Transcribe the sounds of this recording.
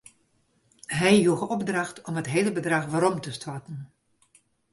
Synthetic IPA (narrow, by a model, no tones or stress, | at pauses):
ɦɛjjuɣəɔbdrɑxtɔmɦətɦeːləbədraxʋaːɾɔmtəstwatən̩